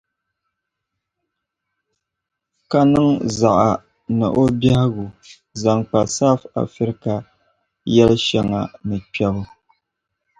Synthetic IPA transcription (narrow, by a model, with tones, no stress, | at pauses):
ka˦nɨ˦ŋza˨ʔa˨ | nɨ̰˨ʔo˦ba˦hɣu˨ | za˨ŋk͡pa˨sa˦fa̰˨fi˦ɾka˨ | jɛ˦lɨ˦ʃɛ˦ŋa̰˨nɨ˨k͡pɛ˦bʊ˦